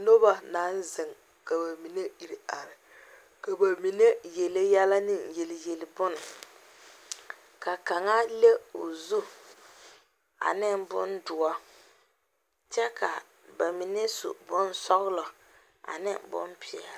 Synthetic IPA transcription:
no˦ba˦naː˨˦n˦zɪ˨ŋ | ka˨ba˨mi˨ne˦i˨ɾi˨a˨ɾɪ˨ | ka˨ba˨mi˨ne˦je˨le˦jɛ˦la˦nɪ˦nje˨lɪ˨je˨lɪ˨bʊ˦nʊ˨ | ka˨ka˨ŋa˦le˦o˨zu˦ | a̰˨nɪ˦nbʊ̰˦ndʊ˨ɔ˦ | t͡ʃɛ˦ka˨ | ba˨mi˨ne˦sṵ˨bʊ˦n˦sɔ˦ɣlɔ˨ | a̰˨nɪ̰˦bʊ̰˦mpʰɪ˨ɛ˨l

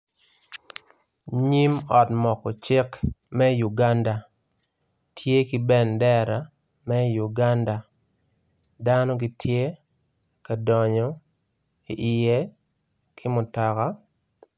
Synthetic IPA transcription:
ɲi˦mɔ˨tmɔ˨kɔ˨t͡ʃɪ˦kmɛ˦ju˨ɡa˦nda˨ | tʰje˦ki˦bɛ˦ndɛ˦ɾa˨ | mɛ˦ju˨ɡa˦nda˨ | da˦nɔ˦ɡɪ˦tʰje˦ | ka˨dɔ˨ɲɔ˨ | ḭ˨ʔɪ˨je˦ | kʰɪ˦mʊ˨ta˨ka˦

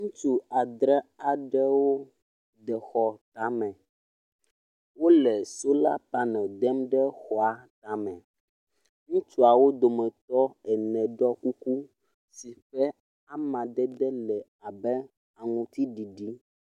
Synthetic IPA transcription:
ŋũ˦t͡ʃu˦a˨d̪ɾɛ˦a˨ɖɛ˦wo˦ | d̪ɛ˨xɔ˨t̪a˨mɛ̃˨ | wo˦lɛ˨so˦la˦pa˦nɛ̃˨d̪ɛ˦mɖɛ˦xɔ˨a˨t̪a˨mɛ̃˨ | ŋũ˦t͡ʃu˦a˨wo˦d̪o˨mɛ̃˨t̪ɔ˦ɛ˨nɛ̃˨ɖɔ˦ku˦ku˦ | si˨ɸɛ˦ | a˦mã˨d̪ɛ˦d̪ɛ˦lɛ˨ | a˨bɛ˦ | a˨ŋũ˨t̪i˦ɖi˨ɖi˦

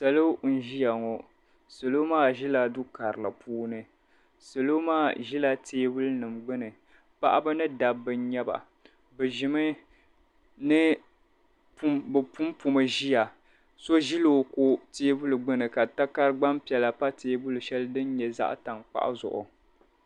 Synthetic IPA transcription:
sa˨lo˦n̩˦ʒi˦ja˨ŋɔ˨ | sɨ˨lo˦maː˦ʒi˦la˨dʊ˦ka˨ɾɨ˨la˨pʰuː˦nɨ˨ | sɨ˨lo˦maː˦˨ʒi˦la˨tʰeː˦bu˦lnɨ˨mɡ͡bɨ˦nɨ˨ | pa̰˦ʔa˦bɨ˦nɨ˦da˨bːɨ˨ɲɛ˦ba̰˨ | bɨ˨ʒɪ˨mɨ˦ | nɨ˦ | pmbɨ˨pu˦mpu˨mɨ˨ʒi˦ja˨ | so˦ʒi˦lo˦ko˦teː˦bu˦lɨ˨ɡ͡bɨ˦nɨ˨ka˨ta˦ka˦ɾɨ˦ɡ͡ba˦mpi˨ɛ˨la˨pa˦teː˦bʊ˦lɨ˨ʃɛ˦lɨ˦dɨ˦n˦ɲɛ˨za̰˦ʔta˨ŋk͡pa̰˦ʔa̰˦zʊ̰˨ʔʊ̰˨

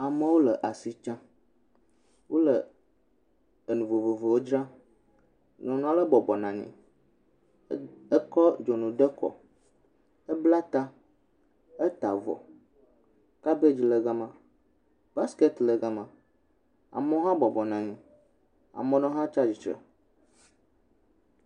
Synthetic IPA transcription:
a˨mə̃˦wo˦lə˨ʔa˨si˨t͡ʃã˦ | wʔo˦lə˨ | e˨nũ˨vo˨vo˨vo˨wo˦d͡ʒɾã˦ | nɔ̃˨nɔ̃˨˦a˦lə˦bɔ˨bɔ˨nã˨ɲḭ̃˨ | ə˦kɔ˦d͡ʒo˨nũ˨ɖə˦kɔ̰˨ | ə˦bla˦t̪a˦ | ɛ˦t̪a˨vɔ̰˨ | ka˦be˦d͡ʑi˨lə˨ɡa˦mã˦ | b̥a˦ske˦t̪lə˨ɡa˦mã˨ | a̰˨mɔ̃˦ɦã˦bɔ˨bɔ˨nã˨ɲĩ˨ | a̰˨mɔ̃˨nɔ̃˦ɦã˦t͡ʃa˦d͡ʑi˨t͡ʃɾɛ̰˨

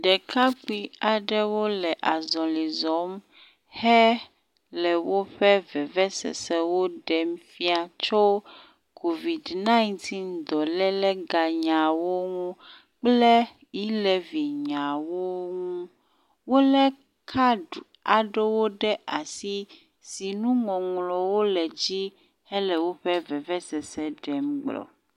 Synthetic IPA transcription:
ɖɛ˨ka˦k͡pi˦a˨ɖɛ˦wo˦lɛ˨ʔa˨zɔ̃˨li˨zɔ˨˦m | hɛ˦ | lɛ˨wo˦ɸɛ˦vɛ˨vɛ˦sɛ̰˨sɛ˦wo˦ɖɛ˨m˦fi˦a˨t͡ʃɔ˦ | kʰo˨vi˨dnã˦i˦nt̪ʰi˦nd̪ɔ˨lɛ˦lɛ˦ɡa˨ɲã˨wo˦ŋũ˦ | k͡plɛ˦ | ji˦lɛ˨vi˨ɲã˨wo˦ŋũ˦ | wo˦lɛ˦ | kʰa˦ɖu˨a˨ɖe˦wo˦ɖɛ˦ʔa˨si˦ | si˨nũ˦ŋɔ̃˨ŋlɔ˨wo˦lɛ˨d͡ʑi˦ | hɛ˦lɛ˨wo˦ɸɛ˦vɛ˨vɛ˦sɛ˨sɛ˦ɖɛ˨mɡ͡blɔ̰˨

